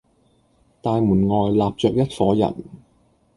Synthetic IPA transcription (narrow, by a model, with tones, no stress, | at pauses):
t̪aː˨˧jmuː˨˩nŋɔː˨jlaː˨p̚t͡ʃœː˨˧k̚jɐ˥t̚fɔː˨˥jɐ̰˨˩n